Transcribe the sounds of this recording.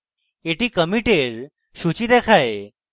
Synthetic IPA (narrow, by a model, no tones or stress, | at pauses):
eʈiːkəmiʈeɾ | ɕut͡ɕiːd̪ɛkʰaj